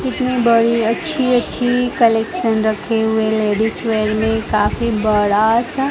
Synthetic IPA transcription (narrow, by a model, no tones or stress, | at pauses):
kɪt̪nibəɽiɐtːʃʰiɐtːʃʰikəleːkʃənɾɐkʰeɦʊeleːɖisʋeːɾmẽkaːfibɐɽas